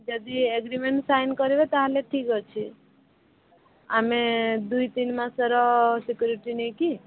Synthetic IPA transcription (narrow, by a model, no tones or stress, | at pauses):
d͡ʒɔd̪ieɡɾimeɳʈsajnkɔɾibet̪aɦaleʈʰikɦɔt͡ʃʰi | amed̪uit̪inmãsɔɾɔsikjuɾiʈinɛki